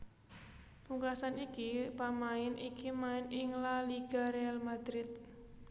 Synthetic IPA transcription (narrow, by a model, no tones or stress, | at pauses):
puŋkasanikipamaɪnikimaɪnɪŋlaliɡ̥a̤ɾealmad̪̥ɾɪt̪̚